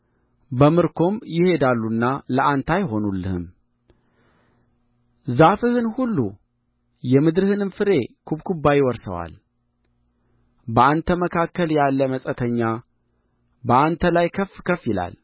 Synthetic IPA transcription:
bəmɨɾkʰo̞mjɪhe̞d̪alːunːaləʔant̪ʰajɪɦo̞nulːɨ̰hɨ̰m | zafɨhɨnhulːu | jɛmɨd̪ɾɨhɨnɨmfɨɾe̞kʰubkʰubːajɪwɔɾsə̰wa̰l | bəant̪ʰəməkʰakːəljalːəməsʼət̪ʰəɲːa | bəʔant̪ʰəlajkʰəfkʰəfːjɪla̰l

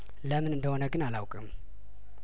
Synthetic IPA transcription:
ləmɨnɨnd̪əhonəɡɨnalawkʼɨm

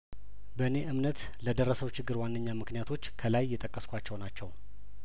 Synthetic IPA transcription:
bəne̞ʔɨmnət̪ | ləd̪ərːəsəwt͡ʃɪɡːɨɾwanːəɲːamɨknijat̪ʰo̞t͡ʃːkʰəlajːɛt̪ʼəkʼːəskʷat͡ʃːɛwnat͡ʃːɛw

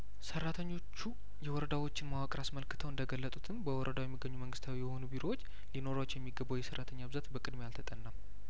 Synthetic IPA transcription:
sərːat̪ʰəɲːo̞t͡ʃːu | jɛwɔɾəd̪awo̞t͡ʃːɪnmawakʼɾasməlkɨt̪ʰəwɨnd̪əɡəlːət̪ʼut̪ʰɨmbəwɔɾʔəd̪awjɛmːiɡːəɲːuməŋɡɨst̪ʰawijɛho̞nubiɾo̞wot͡ʃː | lino̞ɾat͡ʃːjɛmːiɡəbːawjɛsərːat̪ʰəɲːabɨzat̪bəkʼɨd̪mealt̪ʰət̪ʼənːam

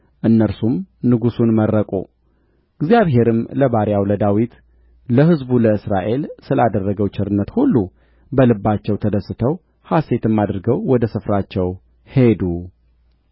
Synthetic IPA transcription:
ʔɨnːəɾsumnɨɡusunmərːəkʼṵ | ɨɡzijaβɦe̞ɾɨmləbaɾjawləd̪awit̪ | ləɦɨzbuləɨsɾaʔe̞lsɨlad̪ərːəɡəwt͡ʃʰɪɾɨnːət̪hulːu | bəlɨbːat͡ʃːɛwt̪ʰəd̪əsːɨt̪ʰəw | hase̞t̪ɨmːad̪ɾɨɡəwwɔd̪əsɨfɾat͡ʃːɛw | he̞d̪u

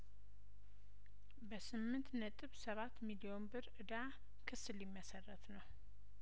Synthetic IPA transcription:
bəsɨmːɨnt̪nət̪ʼɨβsəβat̪ːmilio̞nbɨɾɨd̪a | kʰɨsɨlimːəsərːət̪nəw

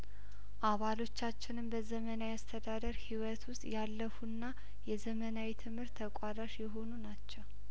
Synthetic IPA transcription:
ʔaβalo̞t͡ʃːat͡ʃːɪnɨmbəzəmənawiast̪ʰəd̪ad̪əɾhiwət̪ʰwʊst̪ʼjalːəfunːa | jɛzəmənawit̪ʰɨmhɨɾt̪ʰːəkʷʼad̪aʃjɛɦo̞nunat͡ʃːɛw

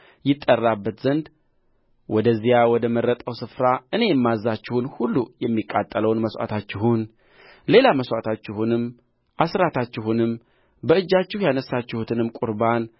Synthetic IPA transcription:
jɪt̪ʼːərːabːət̪zənd̪ | wɔd̪əzːijawɔd̪əməɾːət̪ʼəwsɨfɾaʔɨne̞jɛmːazːat͡ʃːɪhunhulːujɛmːikʼːat̪ʼːələwnməsʷʔa̰t̪ʰat͡ʃːɪɦun | le̞laməswa̰t̪ʰat͡ʃːɪhunɨm | ʔasɾat̪ʰat͡ʃːɪhunɨm | bəɨd͡ʒːat͡ʃːɪhjanəsːat͡ʃːɪhut̪ʰɨnɨmkʼʊɾban

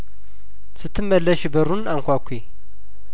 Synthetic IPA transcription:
sɨt̪ʰːɨmːəlːəʃbəɾunaŋkʷakʷʰːe

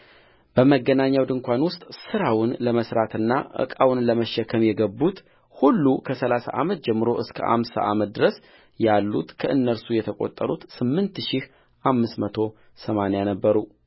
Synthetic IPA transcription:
b̥əməɡːənaɲːawd̪ɨŋkʷʰanwʊst̪ʼsɨɾawʊnləməsɾat̪ɨnːaʔɨ̰kʼawnləməʃːɛkʰəmjɛɡəbːut̪ | hulːukʰəsəlasa̰ʔamət̪̚d͡ʒɛmːɨɾo̞ʔɨskʰə̰ʔa̰msa̰ʔamət̪̚d̪ɨɾəs | jalːut̪kʰəʔɨnːəɾsujɛt̪ʰəkʼo̞̰t̪ʼːəɾut̪sɨmːɨnt̪ʃih | ʔamːɨsmət̪ʰo̞ | səmanejanəbːəɾu

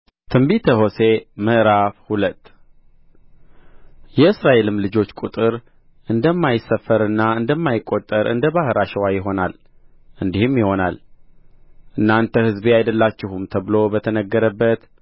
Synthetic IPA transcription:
t̪ʰɨmbit̪ʰəho̞se̞məʔɾafhulət̪ː | jɛɨsɾaʔe̞lɨmlɨd͡ʒo̞t͡ʃːkʼut̪ʼɨɾ | ʔɨnd̪əmːajɪsːəfːəɾɨnːaɨnd̪əmːajɪkʼːo̞t̪ʼːəɾʔɨ̰nd̪əbahɨɾaʃəwajɪɦo̞nal | ʔɨnd̪ihɨmjɪho̞na̰l | ʔɨnːant̪ʰəhɨzbeajd̪əlːat͡ʃːɪhumt̪ʰəβɨlo̞bət̪ʰənəɡːəɾəbːət̪

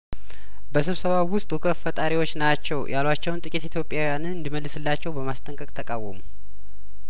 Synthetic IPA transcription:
bəsɨβsəβawʊst̪ʼukʰəfət̪ʼaɾiwo̞t͡ʃːnat͡ʃːɛwjalwat͡ʃːɛwunt̪ʼɨkʼit̪it̪ʰjo̞pʼjawjanɨnɨnd̪iməlːɨsɨlːat͡ʃːɛwbəmast̪ʼəŋkʼəkʼt̪ʰəkʼawəmu

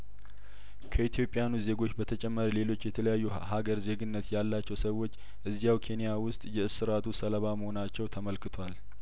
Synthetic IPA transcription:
kʰəit̪ʰjo̞pʼːjanuze̞ɡo̞t͡ʃːbət̪ʰət͡ʃʼɛmːəɾle̞lo̞t͡ʃːjɛt̪ʰələjajːu | ɦaɡəɾze̞ɡɨnːət̪jalːat͡ʃːɛwsəwːo̞t͡ʃː | ʔɨzːijawkʰe̞nijawʊst̪ʼjɛɨsɨɾat̪ʰusələβaməho̞nat͡ʃːɛwt̪ʰəməlkɨt̪ʰwal

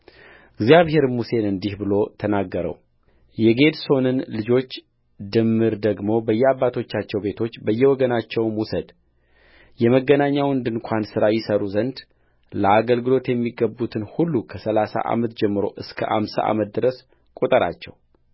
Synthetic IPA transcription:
ɨɡzijaβhe̞ɾmuse̞nɨnd̪ihbɨlo̞t̪ʰənaɡːəɾə̰w | jɛɡe̞d̪so̞nɨnlɨd͡ʒo̞t͡ʃː | d̪ɨmːɨɾd̪əɡmo̞bəjːɛabːat̪ʰo̞t͡ʃːat͡ʃːɛwbe̞t̪ʰo̞t͡ʃːbəjːɛwɔɡənat͡ʃːɛwmwusəd̪ | jɛməɡːənaɲːawɨnd̪ɨnkʷʰansɨɾajɪsəɾuzənd̪ | ləaɡəlɡɨlo̞t̪jɛmːiɡəbːut̪ʰɨnhulːukʰəsəlasa̰ʔa̰mət̪d͡ʒɛmːɨɾo̞̰ʔɨskʰə̰ʔa̰msa̰ʔa̰mət̪̚d̪ɨɾəs | kʼut̪ʼəɾa̰t͡ʃːɛ̰w

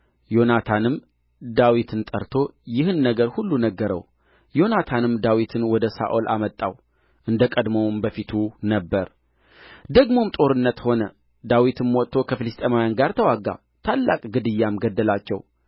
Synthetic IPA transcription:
jo̞nat̪ʰanɨm | d̪awit̪ʰɨnt̪ʼəɾt̪ʰo̞jɪhɨnːəɡəɾhulːunəɡːəɾə̰w | jo̞nat̪ʰanɨmd̪awit̪ʰɨnwɔd̪əsa̰ʔolʔa̰mət̪ʼːa̰w | ʔɨnd̪əkʼəd̪mowmbəfit̪ʰunəbːəɾ | d̪əɡmo̞mt̪ʼo̞ɾɨnːət̪ho̞nə | d̪awit̪ɨmwɔt̪ʰːo̞kʰəfɨlɨst̪ʼemajanɡaɾt̪ʰəwaɡːa̰ | t̪ʰalːa̰kʼɡɨd̪ɨjːamɡəd̪ːəlat͡ʃːɛ̰w

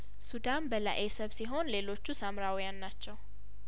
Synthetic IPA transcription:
sud̪anbəla̰ʔesəβsiɦo̞nle̞lo̞t͡ʃːusamɾawɔjanːat͡ʃːɛw

